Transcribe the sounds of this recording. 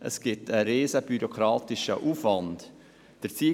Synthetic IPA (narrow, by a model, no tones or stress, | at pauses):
ʔə̰sɡ̥ɪtəɾeːsəb̥yɾokʰɾɑːtɪʃə̰ʔuːfʋɑnd | d̥əɾt͡siː